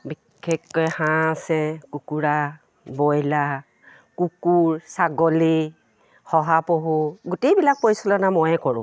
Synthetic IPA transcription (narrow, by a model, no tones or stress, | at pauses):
bi | kʰːekːɔjhãsɛkukuɹa | bɔjla | kukuɹsaɡɔli | xɔɦapoɦuɡutejbilak̚pojsɔlɔnamɔjɛkɔɹʊ̰̃